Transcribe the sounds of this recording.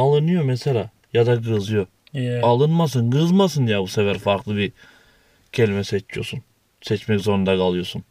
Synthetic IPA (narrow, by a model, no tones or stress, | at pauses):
alˠɯnɯjomɛselʲaː | jad̪aɡɯzɯjo̞ | alˠɯnmas̬ɯnɡɯzmasɯnjabusevæɾfaɾklˠɯbi | cʰe̞lʲimɛsɛt͡ʃʰijo̞̰sun | sɛt͡ʃmɛczo̞ɾund̪akʰalˠɯjo̞sun